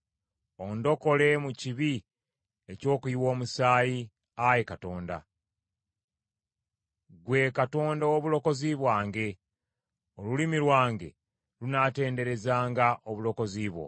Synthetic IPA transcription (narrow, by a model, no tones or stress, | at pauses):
o̞ndo̞ko̞le̞muciβi | eco̞ːkuiwo̞ːmusaːji | ajekato̞ːnda̰ | ɡwe̞ːkato̞ːndaoβulo̞ko̞ziβwaːŋɡe̞ | olulimilwaːŋɡe̞̰ | lunate̞ːnde̞ɾe̞zaːŋɡaʔo̞βulo̞ko̞ziːβwo̞̰